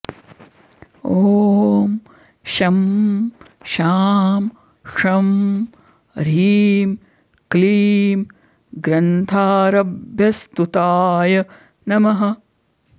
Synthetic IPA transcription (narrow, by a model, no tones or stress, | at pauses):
oːm | ʃɐm | ʃaːm | ʂɐm | ɾiːm | kliːm | ɡɾɐnt̪ʰaːɾɐbʱjɐst̪ut̪aːjɐ | nɐmɐɦɐ̆